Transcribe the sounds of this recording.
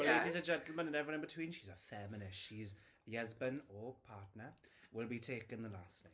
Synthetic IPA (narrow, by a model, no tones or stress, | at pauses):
leɪdizəd͡ʒɛ̃ntˡl̩ˠmə̃nə̃nɛvɹiwʌ̃nbɪtʰw̥ĩːnʃizəfɛmɪnɪsʃiz | ðiʌzbə̃nəpʰɑˑtnəwɪlˠbitʰeɪkə̃nðəlasnaɪ